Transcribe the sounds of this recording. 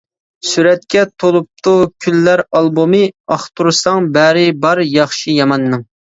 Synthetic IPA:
syɾɛt̪̚kʲʰɛt̪ʰolˠup̚t̪ʰukʲʰylːæɾɑlˠbumɨɑχt̪uɾsɑŋbæɾɪbɑɾjɑχʃijɑmɑnːɨŋ

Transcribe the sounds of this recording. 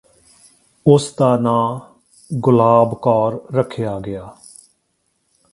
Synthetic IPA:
ʊst̪aːnãː | ɡʊlaːbkɔːɾːəkʰːɪjaːɡɪjaː

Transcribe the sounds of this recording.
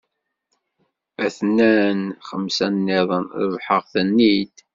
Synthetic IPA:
æθnænχəmsænːɪðˤənɾəvħəʁθənːid̪

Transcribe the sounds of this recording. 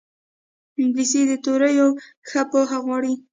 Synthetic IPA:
bised̪ət̪oɾəjo | xapoxaɣwɑɽi

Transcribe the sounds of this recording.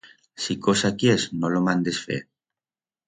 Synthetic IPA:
sikosakjeznolomãnd̪esfḛɾ

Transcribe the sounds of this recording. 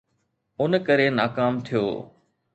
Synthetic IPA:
ʊnəkəɾenaːkaːmt̪ʰijo̰ː

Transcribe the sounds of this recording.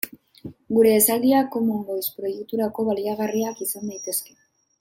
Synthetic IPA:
ɡuɾe̞ːsald̪iako̞moŋɡojspɾo̞jek̚t̪uɾako̞βaliaɣ̞ariakisand̪ajt̪e̞ske̞̥

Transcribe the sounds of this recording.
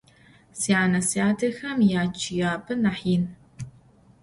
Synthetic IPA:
siaːnɐsiaːdʰɐxɐmjaːt͡ʃʰɪjaːbʰɨnɐħiːn

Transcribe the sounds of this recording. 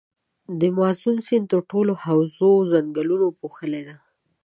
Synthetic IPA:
d̪əmazunsint̪əɾʈolohawzozaŋɡalunopoxəled̪a

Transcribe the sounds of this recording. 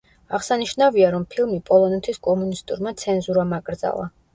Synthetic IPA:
aʁsaniʃnaviaɾɔmpʰilˠmipʼɔlˠɔnɛt̪ʰiskʼɔmunist̪ʼṵɾmat̪sʰɛnzuɾamaɡʼɾd̪za̰lˠa̰

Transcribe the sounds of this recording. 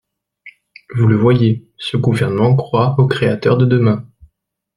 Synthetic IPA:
vuləvwaje | səɡuvɛʁnəmɑ̃kχwaokχeat̪œʁd̪əd̪əmɛ̃

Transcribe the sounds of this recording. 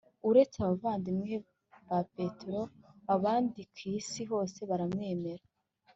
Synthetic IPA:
uɾet͡seaβavaːndimŋe | βape̞tɾo̞aβaːndikwiːsiɦo̞ːse̞βaɾamŋe̞ːme̞ɾa

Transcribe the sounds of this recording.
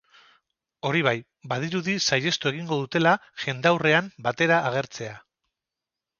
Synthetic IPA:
o̞ɾiβ̞aj | bað̞iɾuðisaje̞st̪ue̞ɣiŋɡo̞ðut̪e̞laʝe̞nd̪awre̞ambat̪e̞ɾaːɣ̞e̞ɾt͡se̞a

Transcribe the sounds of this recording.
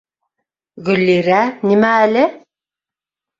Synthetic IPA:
ɣɵ̆lːiɾænimæːlɘ

